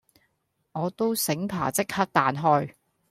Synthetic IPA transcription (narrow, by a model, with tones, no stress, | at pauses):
ŋɔː˨˧t̪o˥wsɪ˨˥ŋpʰa̰ː˨˩t͡sɪ˥k̚hɐ˥t̚t̪aː˨˧nɦɔː˥j